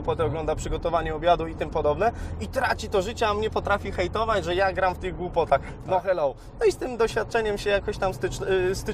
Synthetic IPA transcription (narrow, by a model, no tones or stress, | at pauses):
upɔt̪ɛɔɡlɔnd̪apʂɘɡɔt̪ɔvaɲɛɔbʲjad̪uit̪ɘmpɔd̪ɔbnɛit̪ɾat͡ɕit̪ɔʐɘt͡ɕɛamɲɛpɔt̪ɾafʲixɛjt̪ɔvad͡ʑʐɛjaɡɾamft̪ɘɣɡwupɔt̪ax | nɔxɛlɔw | nɔist̪ɘmd̪ɔɕfʲjat̪̚t͡ʂɛɲɛmɕɛjakɔɕt̪amst̪ɪst̪ɘ